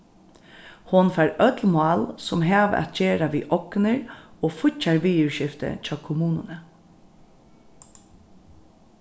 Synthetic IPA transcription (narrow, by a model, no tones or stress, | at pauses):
hʊnfaːɾœt̪lmʊɑːlsʊmɦɛːʋ̰ɛ̰t̪̚d͡ʒeːɾaʋiːʔɔknəɹoːfʊt͡ʃːaɹʋiːʉɹʃɪft̪ə̰t͡ʃʰɑːkʰʊmuːnənə